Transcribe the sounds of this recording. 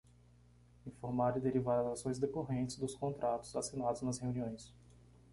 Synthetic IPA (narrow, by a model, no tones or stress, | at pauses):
ĩfoɾmaɾɪd̪eɾivaɾɐzasõj̃zd̪ekoɦẽnt͡ʃɪzd̪ʊskõnt̪ɾʔat̪ʊ̥z̥asinad̪ʊznɐsheũniõj̃s